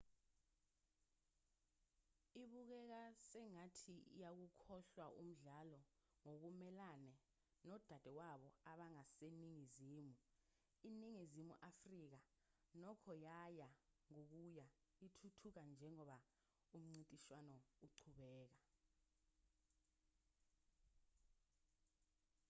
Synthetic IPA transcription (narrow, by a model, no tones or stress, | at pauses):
iɓuk̬ɛk̬asɛŋatʰḭjak̬ukʰɔɬwaʔum̩ɮalɔ | ŋok̬umɛlanɛ | nɔd̥ʱad̥ʱɛwaɓɔaɓaŋaseniŋiziːmu | iniŋizimuʔafrik̬a | nɔkʰɔjajaŋok̬uja | itʰutʰuk̬and͡ʒʱɛŋɔɓa | um̩ŋ͡ǀintʼiʃwanɔuǀʰuɓɛːk̬a